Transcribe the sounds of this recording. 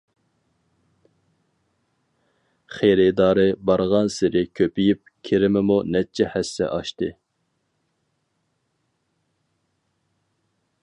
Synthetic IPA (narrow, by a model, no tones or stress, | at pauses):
χeɾɪd̪ɑːɾɨbɑɾʁɑnsɪɾɪkʲʰøpijip̚kʲʰeɾɪmɪmunɛt͡ʃʰɛhæsːɛ̰ʔɑʃt̪ɨ